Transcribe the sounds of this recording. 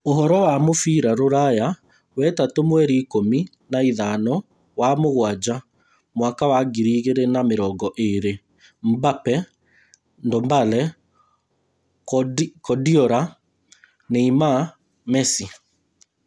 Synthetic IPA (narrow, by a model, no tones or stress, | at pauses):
oɦɔɾɔwamofiːɾaɾoɾaja | wɛtatomwɛɾiːkomi | naiðanɔ | wamoɣwad͡ʑa | mwakawaɡiɾiːɣeɾenameɾɔːɡɔʔeɾe | m̩bapɛ | ndɔmbalɛ | kɔdiɔɾa | neima | mɛsi